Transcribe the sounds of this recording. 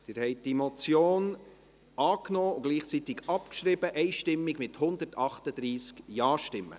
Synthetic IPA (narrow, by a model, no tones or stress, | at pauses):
d̥̪ɪːɾhɛɪt̚d̥imɔt͡sjoːn | ɑːknɔːʊɡliːχt͡sit̪ɪɡɑpkʃɾɪbəʔɛɪʃtɪmːiɡmɪthʊnd̪ətɑχt̪əd̥̪ɾiːskjɑːʃtɪmːə̰